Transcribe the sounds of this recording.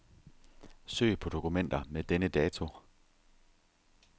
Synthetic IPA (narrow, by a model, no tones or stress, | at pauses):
sø̰ːɪpʰɒ̽d̥o̝kʰumen̰d̥ɐmed̥enəd̥ɛːt͡sʰo̝